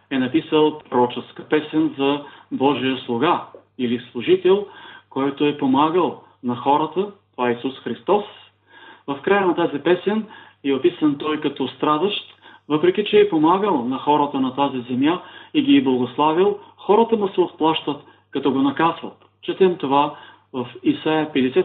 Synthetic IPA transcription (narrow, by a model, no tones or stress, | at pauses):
ɛnɐpisəlˠpɾoɾɔt͡ʃɛskəpɛsɛnzɐbɔʒijəslˠoɡa | ilislˠʊʒit̪ɛlˠkɔjt̪oɛpomaɡəlˠ | nɐxɔɾət̪ət̪ovaɛisusxɾist̪ɔs | vɐfkɾajənɐt̪azipɛsɛn | iopisənt̪ɔjkɐt̪ɔst̪ɾad̪əʃt̪vɤpɾɛk̟ʲit͡ʃɛːpomaɡəlˠnɐxɔɾət̪ənɐt̪azizɛmjaiɡʲiːblˠɐɡoslˠavilˠxɔɾət̪əmd̪ɐsɛot̪̚plˠaʃt̪ət̪ | kɐt̪ɔɡonɐkazvə̰t̪ | t͡ʃɛt̪ɛmt̪ova | vɐfisajəpɛd̪ɛsɛ